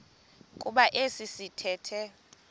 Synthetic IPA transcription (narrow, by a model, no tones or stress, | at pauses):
kʼuɓaʔesisitʰɛːtʰɛ